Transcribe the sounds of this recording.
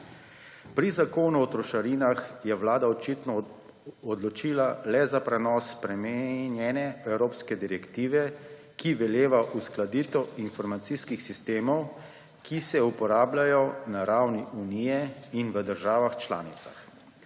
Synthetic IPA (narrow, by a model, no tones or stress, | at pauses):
pɾizakoːnuɔt̪ɾɔʃaɾinaxjɛʋlaːd̪aɔt͡ʃit̪nɔ | ɔd̪lɔt͡ʃiːlalɛzapɾɛnɔːsːpɾɛmɛnjɛnɛɛwɾoːpskɛd̪iɾɛkt̪iːʋɛ | kiʋɛljeːʋaʔusklad̪iːt̪ɔinfɔɾmat̪siskixsist̪eːmɔw | kisɛupɔɾaːblajɔnaɾawniʔunijɛinʋəd̪əɾʒaːʋaxt͡ʃla̰ːnit̪sa̰x